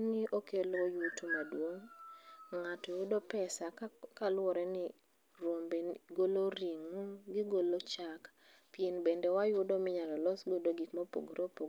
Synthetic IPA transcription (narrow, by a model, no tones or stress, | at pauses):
nɪʔokelojutomadwoŋ | ŋatɔjʊdopɛsakalwɔɾɛnɪ | ɾwombeɡoloɾiŋuɡɪɡolot͡ʃak | pienbendɛwajʊdomɪɲalɔlɔsɡodoɡikmɔpo̰ɡɾopoɡ